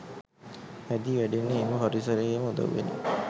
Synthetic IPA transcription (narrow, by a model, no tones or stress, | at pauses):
æd̪iʋæɖenːeːməɦoɾisəɾeeməud̪a̰ʋʋḛnḛ